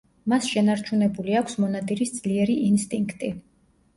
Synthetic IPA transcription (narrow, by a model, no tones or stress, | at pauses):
masʃɛnaɾt͡ʃʰunɛbuliakʷʰsmɔnad̪iɾisd̪z̥liɛɾiʔinst̪ʼiŋkʰt̪ʼi